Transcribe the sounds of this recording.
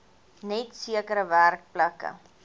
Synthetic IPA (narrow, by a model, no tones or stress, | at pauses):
nɛtsiəkəɾəværk̚plɐkə̰